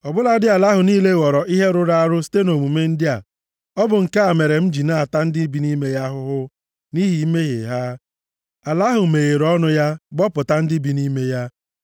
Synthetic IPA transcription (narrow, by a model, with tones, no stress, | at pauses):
ɔ˨bʊ˦la˦dɪ˦a˨la˦ɦʊ˨niː˦le˦˨wɔ˨ɾɔ˨i˦ɦe˦ɾʊ˦ɾa˦a˦ɾʊ˦ste˦no˨mu˨me˦n̩˦dɪ˦a˨ | ɔ˦bʊ˨ŋ̩˨ka˦a˨me˨ɾe˨m̩˦d͡ʒi˨na˦˨a˨ta˦n̩˦dɪ˦bi˨ni˦me˦ja˦ɦʊ˦ɦʊ˦ | ni˦ɦi˨˦me˦ɦḛ˨ɦa˦ | a˨la˦ɦʊ˨me˨ɣe˨ɾɔ˦nʊ˦ja˦ɡ͡bɔ˦pʊ˨ta˦n̩˦dɪ˦bi˨˦ni˦me˦ja˦